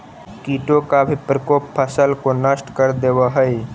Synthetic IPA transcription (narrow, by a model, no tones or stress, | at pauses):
kiʈokabʱipɾəkoːpːʰəsəlkonəsʈkəɾd̪eʋaɦəj